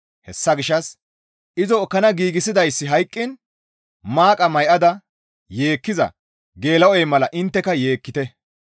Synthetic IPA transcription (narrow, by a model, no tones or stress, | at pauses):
hɛsːɐɡɪʃːɐs | ʔɪzɔːkːɐnɐɡiːɡɪsɪd̪ɐjsːɪɦɐjkʼːɪn | maːkʼɐmɐjʔɐd̪ɐ | je̞ːkːɪzɐ̰ | ɡe̞ːlɐwɔjmɐlɐʔɪnt̪ːɛkɐje̞ːkːɪt̪ɛ